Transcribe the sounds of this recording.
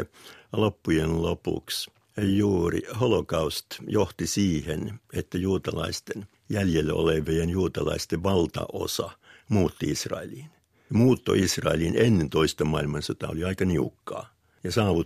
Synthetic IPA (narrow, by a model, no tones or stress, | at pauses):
lopːujenlopṵks | juːrḭholokɑust̪joht̪isiːhenet̪ːæjuːt̪ɑlɑ̰ist̪en | jæljelːo̰leʋijenjuːt̪ɑlɑ̰ist̪eʋʋɑlt̪ɑ̰ʔo̰sɑmuːt̪ːiisrɑ̰eliːn | muːt̪ːo̰isrɑ̰elinenːent̪oist̪ɑmɑilmɑnsot̪ɑ̰o̰liɑikɑniukːɑ̰ː | jɑsɑːʋu